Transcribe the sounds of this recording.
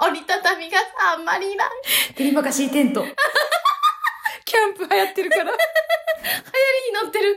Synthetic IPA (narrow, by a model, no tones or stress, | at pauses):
oɾʲit̪at̪amʲiɡaãmːaɾʲina̰t̪eɾʲibakaɕiːt̪ẽ̞nt̪o | kʲãmpɯ̟hajat̪ːeɾɯkaɾa | hajaɾʲiɲinot̪ːe̞ɾɯ